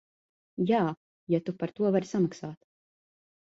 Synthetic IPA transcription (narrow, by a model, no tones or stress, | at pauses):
jaː | jat̪upaɾt̪uɔvaɾʲisamaksaːt̪